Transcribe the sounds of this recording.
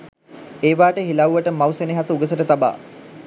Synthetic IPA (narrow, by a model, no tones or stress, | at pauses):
eːʋaːʈəɦilawuʋəʈəmawseniɦasəuɡəsəʈət̪aba̰ː